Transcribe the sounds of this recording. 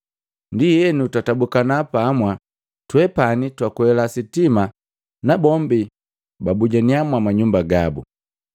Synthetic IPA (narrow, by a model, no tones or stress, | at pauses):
ndijɛnutatabukanapamwa | twɛpanitwakuhɛlasitima | nabɔmbi | babuɟaniamwamaɲumbaɡabu